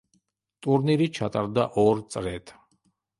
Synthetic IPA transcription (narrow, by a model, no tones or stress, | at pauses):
t̪ʼuɾniɾit͡ʃʰat̪ʼaɾd̪aʔɔɾsʼɾɛt̪ʰʼ